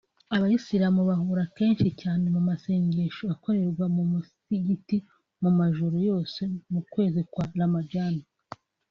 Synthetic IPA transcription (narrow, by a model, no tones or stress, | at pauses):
aβajisiɾamuβahuːɾake̞ːnʃicaːne̞mumase̞ːɲɟe̞ʃoβako̞ɾe̞ɾɡwamumusiɟiti | mumaʒuɾojo̞ːse̞mukwe̞ːzikwaɾamaɟana